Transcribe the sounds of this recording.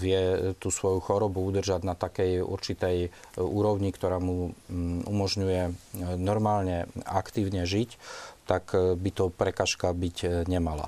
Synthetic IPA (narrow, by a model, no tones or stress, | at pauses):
ʋɪɛt̪uːsʋɔjuxɔɾɔbuud̪r̩ʒaɟnat̪akɛjṵɾt͡ʃit̪ɛjuːɾɔʊɲikt̪ɔɾaːmu | umɔʒɲujɛnɔɾmaːlɲɛakt̪iːʊɲɛʒict̪akbit̪ɔpɾɛkaːʃkabicɲɛmala̰